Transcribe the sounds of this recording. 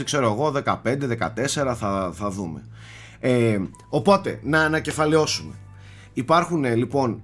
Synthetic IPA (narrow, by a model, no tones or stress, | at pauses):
ikse̞ɾoeɣo̞ðe̞kɐpe̞nd̪e̞ðe̞kɐ̰t̪e̞se̞ɾɐθɐθɐðume̞̰ | e | o̞po̞t̪e̞̰nɐːnɐce̞fɐleo̞sume̞̰ | ipɐɾxune̞lipo̞n